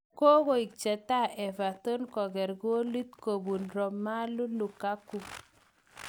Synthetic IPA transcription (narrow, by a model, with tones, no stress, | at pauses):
ko˦ko˨i˨k̚t͡ʃɛ˨ta˦˨ʔɛ˨va˨to˦nkɔ˨ɡɛ˨ɾɡu˦o˦li˦t̪ko˨bu˨nɾɔ˨mːa˦lu˦lu˨ka˦kːu˨